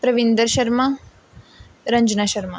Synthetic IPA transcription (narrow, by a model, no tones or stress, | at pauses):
pɾɐʋind̪əɾʃɐɾma | ɾɐɲd͡ʒnaʃɐɾma